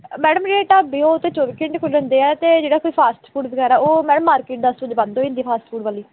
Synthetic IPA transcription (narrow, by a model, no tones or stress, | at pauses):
mɛːɽəmd͡ʒeːeːʈaːbiːoːt̪ːẽːt͡ʃɔːʋiːkɪ̃ɳʈkʰʊlə̃nd̪eːɛːt̪eːd͡ʒeːɽaːkoːiːpʰaːsʈpʰuːɖbəɡɛːɾaːoːmɛːɽəmːaːɾkeːʈ̚d̪ast̪ʊd͡ʒbãnd̪oːɪ̃nd̪iːpʰaːsʈpʰuːɽʋaːliː